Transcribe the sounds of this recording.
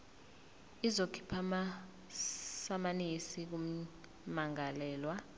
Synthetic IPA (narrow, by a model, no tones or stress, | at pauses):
izokʰi̥pʰama | samanisik̬u | maŋalɛːlwa